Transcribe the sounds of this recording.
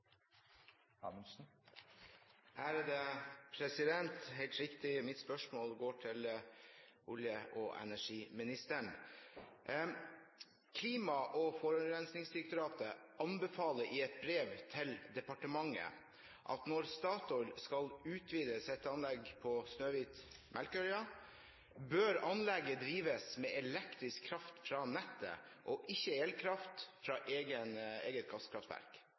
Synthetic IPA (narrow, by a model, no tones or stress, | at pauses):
ɑ̰msn̩ | ʔæːɾd̪ɛpʰɾɛsɪd̪ɛnt̪ɦeɪlt̪ɾɪkt̪ɪmɪt̪spœʂmoːlɡoːʈʰɪl | ʔʊljəʔɔʔɛ̰næʂiːmɪnɪst̪əɳ | kʰliːmɑʔɔfɔɾʉnɾɛnsnɪŋsd̪ɪɾk̚t̪ʊɾɑːt̪əʔɑnbɛfɑːləʔɪɛt̪̚bɾeːʋt̪ʰɪld̪ɛpɑʈəmɑŋːə̰ | ʔɑ̰t̪nɔɾst̪ɑːt̪ɔʏlskɑlʉːt̪ʰʋiːd̪əsɛt̪ːəɑnlɛɡpʰɔsnøːʋiːt̪ | mʔɛlkœɾʏɑ | bøːɾɑnlɛɡːəd̪ɾiːʋəsmɛʔɛlɛkt̪ɾɪskʰːɾɑft̪fɾɑnɛt̪ːə̰ | ʔɔʔɪçːəeːlkʰɾɑft̪fɾɑːʔeːɡənḛːɡət̪̚kʰɑst̪kʰɾɑft̪ʋæ̰ɾk